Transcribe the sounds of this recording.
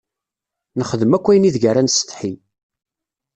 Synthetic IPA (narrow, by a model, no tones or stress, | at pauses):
nəχəðəmækʷːæjniðʝæɾænst̪ˤħi